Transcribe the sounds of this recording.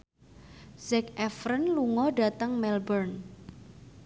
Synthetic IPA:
z̥ɛkɛfɾənluŋɔɖa̤t̪əŋmɛlbərn

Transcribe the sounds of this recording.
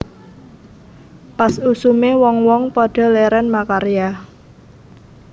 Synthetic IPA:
pasusumewɔŋwɔŋpoɖ̥ɔ̤leɾɛnmakaɾja

